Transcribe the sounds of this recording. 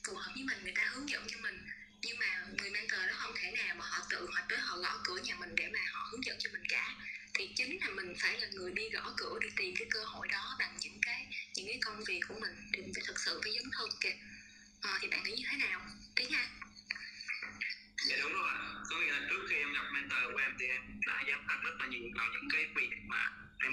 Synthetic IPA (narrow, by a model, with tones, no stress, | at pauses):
t̪u˨˧˩həː˨˦m̚ɲɨ˧˦maː˨˩ŋɨ˨˩əjt̪aː˧hɨ˨˦əŋzə̰˧˨nt͡ɕɔ˧mï˨˩ŋ̟ | ɲɨ˧ŋmaː˨˩ŋɨ˨˩əjmaː˧nt̪əː˨˩ɗɔ˨˦xə˧wŋ͡mtʰɛː˧˩naː˨˩wmaː˨˩hɔ̰˧˨t̪ɨ̰˧˨hwaː˨˩k̚t̪əː˨˦jɦɔ̰˧˨ɣɔ˧˩kɨ̰˧˩əɲaː˨˩mï˨˩ŋ̟ɗḛ˧˩maː˨˩hɔ̰˧˨hɨ˨˦ŋzə̰˧˨nt͡ɕɔ˧mï˨˩ŋ̟kaː˧˩t̪ʰi˨˩t͡ɕï˨˦ŋ̟laː˨˩mï˨˩ŋ̟faː˧˩jlaː˨˩ŋɨ˨˩əjɗi˧ɣɔ̰˧˩kɨ˧˩˥əɗi˧˩t̪i˨˩mkaː˨˦jkəː˧ho̰˧˨jɗɔ˨˦ɓa˨˩ŋɲɨ̰˧˥ŋkaː˨˦jɲɨ̰˧˥ŋkaː˨˦jkə˧wŋ͡mvi˨˩kːu˧˩əmï˨˩ŋ̟t̪ʰi˨˩i˨˩naː˧˩t̪ʰk̚sɨ̰˧˨faː˧˩jzə˨˦nt̪ʰɨ˧˩ke˧˩ | ʔəː˨˩t̪ʰi˨˩ɓa̰ː˧˨ŋə˧˨˦ɲɨ˧t̪ʰe˨˦naː˨˩wt̪i˨˦ɲaː˧ | a˨˦ɗʊ˨˦ŋ͡mɗə˨˦aː˨˩kɔ˨˦wḭ˧˨la˧˩t͡ɕɨ˦˥k̚xi˧ʔɛ˧wŋ͡mɲɔ˨˩k͡p̚mɛ˨˦nt̪əː˧˩kṵ˧˩ʔɛ˧mt̪ʰi˨˩ʔɛ˧mɗa̰ː˧˦zaː˨˦mxaː˦˥p̚zə˦˥t̚laː˨˩ɲi˨˩vaː˨˩ɲɨ̰˧˥ŋkaː˨˦kwḭ˧˨˩ə˩ma̰ː˨˩ | ʔɛ˧